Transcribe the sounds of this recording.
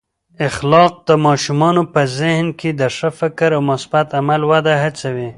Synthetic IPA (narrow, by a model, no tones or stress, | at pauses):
ɪxlɑq̚d̪əmɑʃumɑnopəzɪhnked̪əʂəfɪkɾawmʊsbat̪amalwad̪aɦat͡sawi